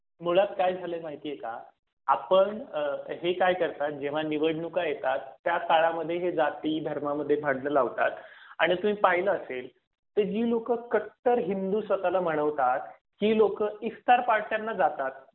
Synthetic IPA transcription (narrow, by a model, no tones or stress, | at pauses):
muɭat̪̚kajd͡zʱalemaɦit̪iːjeka̰ | apəɳɦekajkəɾt̪at̪̚d͡ʑeʋ̤aniʋəɽɳukajet̪at̪ːjakaɭaməd̪ʱːjeɦed͡zat̪iːd̪ʱəɾmaməd̪ʱːjebʱaɽnəlaʋt̪a̰t̪a̰ɽ̃it̪um̤iːpaɦiləːsel | t̪əd͡ʑiːlokəkək̚t̪əɾɦind̪uːsʋət̪alaməɽ̃əʋt̪at̪̚ | kiːlokəist̪aɾpaɽt̪janːad͡zat̪at̪̚